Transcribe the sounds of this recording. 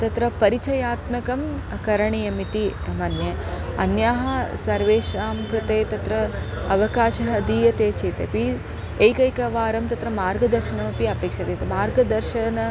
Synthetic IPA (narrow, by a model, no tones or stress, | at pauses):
t̪ɐt̪ɾɐpɐɾit͡ʃɐjaːt̪mɐkɐm | kɐɾɐɳijɐmit̪iɐmɐnjɐɐnjaːɦɐsɐɾʋeːʃaːmkɾɪt̪eːt̪ɐt̪ɾɐ | ɐʋɐkaːʃɐɦɐɐd̪ijɐt̪eːt͡ʃeːt̪ɐ̰pi | ejkɐjkɐʋaːɾɐmt̪ɐt̪ɾɐmaːɾɡɐd̪ɐɾʃɐnɐmɐpiɐpeːkʂɐt̪eːt̪ɐmaːɾɡɐd̪ɐɾʃɐnɐ